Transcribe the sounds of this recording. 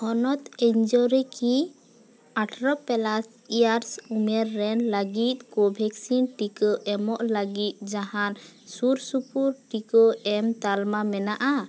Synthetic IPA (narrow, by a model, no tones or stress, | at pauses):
ɔnɔt̪ɛɲd͡ʒɔɾɛki | aʈʰɾɔpɛlas | ijaɾsumɛɾːɛnləɡit̪̚ˀkɔbʱɛksinʈikɔʔɛmɔʔləɡit̪̚ˀd͡ʒaɦansuɾsupuɾʈikɔɛmt̪almamɛnaʔa